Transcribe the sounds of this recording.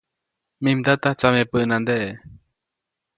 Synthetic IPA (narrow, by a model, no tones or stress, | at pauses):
mĩmd̪at̪at͡samẽpɨʔnand̪eʔe